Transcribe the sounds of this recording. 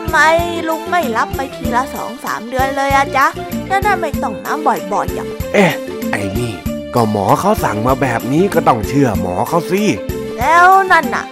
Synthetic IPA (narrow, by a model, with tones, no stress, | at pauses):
ma˧jlu˧˩k̚ma˥˩jla˦˥pːa˧jp̪ʰiː˧laː˧sɔ̰ː˩˦ŋsa̰ː˩˦mdɯ˧ənlɤː˧jʔa˧˩t͡ɕa˦˥ | nɛː˧˥wnaː˥˩nma˥˩jt̪ɔ˥˩ŋna̰ː˦˥mbɔ˨˩jbɔ˨˩jːa̰˨˩ŋʔeː˧˩ | ʔa˨˩jniː˧˩kɔː˧˩mɔː˩˦kʰa˦˥wsa˨˦ŋmaː˧bɛː˨˩p̚niː˦˥kɔː˥˩t̪ɔ˥˩ŋt͡ɕʰɯ˥˩ɐmɔː˩˦kʰa˦˥wsi˧ | lɛː˦˥wna˥˩nʔa̰˨˩ʔ